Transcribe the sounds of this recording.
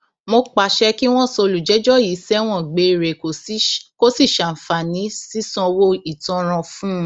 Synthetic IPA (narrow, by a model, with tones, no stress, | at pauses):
mo˧k͡pa˨ʃɛ˧ki˦w̃ɔ̃˦˨so˧lu˨d͡ʒɛ˨˦d͡ʒɔ˦ji˨˦sɛ˦w̃ɔ̃˦˨ɡ͡be˨˧˨ɾe˨ko˨˦ko˦si˦˨ʃã˨fa˨nĩ˨˦si˦sɔ̃˧wo˧˦i˦˨tɔ̃˧˦ɾ̃ã˧fũ˦˧˦